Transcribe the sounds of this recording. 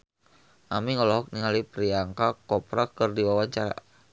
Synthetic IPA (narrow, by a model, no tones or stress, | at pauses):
ʔamiŋɔlɔɦɔk̚niŋalipɾiaŋkakɔpɾakɨrdiwawaɲt͡ʃaɾa̰